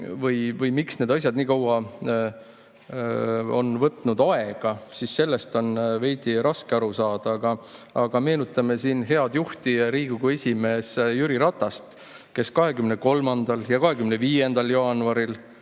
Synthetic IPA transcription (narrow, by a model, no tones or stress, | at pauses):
vɤjvɤjmiksne̞d̪̥ɑs̬ʲjɑd̪niːkɑwɑ | o̞̰nvɤt̪ːˑnud̪̥ɑe̞ɡ̥ɑsisːe̞lːest̪o̞nve̞jd̪iɾɑskeɑɾusɑːd̪̥ɑɑɡ̥ɑɑɡ̥ɑme̞ːnut̪ːˑɑme̞siːnɦe̞ɑd̪̥juht̪iɾiːɡ̥uɡue̞sʲime̞ːsjyɾiɾɑt̪ːˑɑst̪ | ke̞skɑɦe̞kymneko̞lmɑnd̪ɑljɑkɑɦe̞kymneviːe̞nd̪̥ɑljɑːnuɑɾil